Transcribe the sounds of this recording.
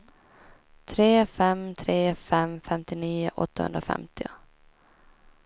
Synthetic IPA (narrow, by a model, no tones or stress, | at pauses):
t̪ʰɾeːfɛmt̪ʰɾeːfɛmfɛmt̪ɪniːʊ̰ʔɔ̰t̪ːahɵ̰nd̪ɾafɛ̰mt̪ɪʊ